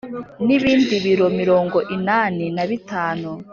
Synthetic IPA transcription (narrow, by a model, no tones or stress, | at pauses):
niβiːndiβiɾo̞miɾo̞ːŋɡo̞ʔinaːninaβitaːnu